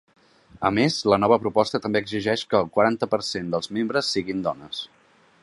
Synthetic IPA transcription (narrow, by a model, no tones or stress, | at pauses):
əmezlənɔβ̞əpɾupɔst̪ət̪əmbeəɡziʒɛʃkəːlˠkwəɾant̪əpəɾsend̪əlˠzmembɾəsːiɣind̪ɔnəs